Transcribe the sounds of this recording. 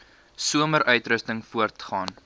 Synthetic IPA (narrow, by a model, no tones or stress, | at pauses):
suəməɾʔœɥtɾəstəŋfuərtχɑːn